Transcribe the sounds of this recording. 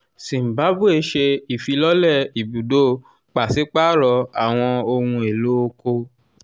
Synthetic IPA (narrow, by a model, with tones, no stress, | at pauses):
sĩ˨m̩˨ba˨˦bu˦e˧ʃe˧i˨fi˧lɔ˦lɛ˦˨i˨bu˨do˦ | k͡pa˨si˨˦k͡pa˦˨ɾɔ˧a˨w̃ɔ̃˧o˧hũ˧e˨lo˦o˧ko˧